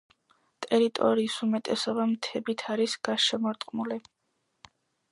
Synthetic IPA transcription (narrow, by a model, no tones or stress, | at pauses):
t̪ʼɛɾit̪ʼɔ̰ɾiːsumɛt̪ʼɛsɔbamt̪ʰɛbit̪ʰaɾisɡ̥aʃɛmɔɾt̪ʼqʼmuli